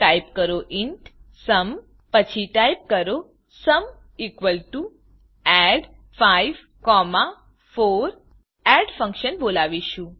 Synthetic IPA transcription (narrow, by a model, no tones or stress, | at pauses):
ʈaipkəɾoʔiɳʈsəm | pət͡ʃʰiʈajp̚kəɾo | səm | ikʋəlʈu | ɛɖ | faiʋ | kɔma | foɾ | ɛɖfə̃ŋkʃənbolaʋiʃũ